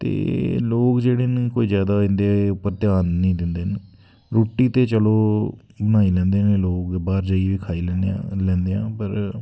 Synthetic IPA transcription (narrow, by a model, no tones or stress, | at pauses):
t̪ḛːloːkd͡ʒeːɽeːnĩkoːiːzjaːd̪aːɪnd̪eːʊpːəɾt̪jaːnːĩːd̪ɪnd̪eːn | ɾoːʈːiːt̪eːt͡ʃəloː | bənaːiːlɛ̃ːnd̪eːnẽːloːkbaːɾd͡ʒəiʋiːkʰaːiːllɛ̃ːnd̪eːã̰ːpəɾ